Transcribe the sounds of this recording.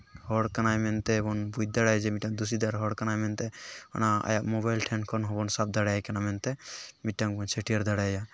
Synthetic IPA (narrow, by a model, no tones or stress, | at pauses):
hɔɽkənajmɛnt̪ebɔnbud̪aɽajd͡ʒemiʈːaŋd̪us̬id̪aɾɦɔɽkənajmɛnt̪eɔ̰naa̰jamoβajlʈʰɛnkʰɔnɦɔbɔnsab̚d̪aɽajkənamɛnt̪emiʈːaŋbɔnt͡ʃʰeʈʰijəɾd̪aɽaja